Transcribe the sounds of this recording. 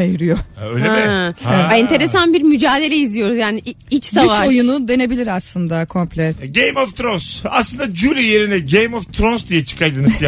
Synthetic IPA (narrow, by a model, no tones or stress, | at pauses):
ajɯɾɯjoøjlʲeiɛɛnt̪ʰe̞ɾesanbiɾmyd͡ʒaːd̪e̞lʲɛizlʲijo̞ɾuzjaːniʔ | it͡ʃsɟ̪ayvt͡ʃao̞junud̪e̞ne̞bilʲiɾaslˠɯnd̪akʰo̞mplʲɛt̪ɟejmovt̪ʰɾonsaslˠɯnd̪ad͡ʒylʲije̞ɾinɛɟejmoft̪ʰɾonsd̪ijɛt͡ʃʰɯ̥kʰajd̪ɯnɯzj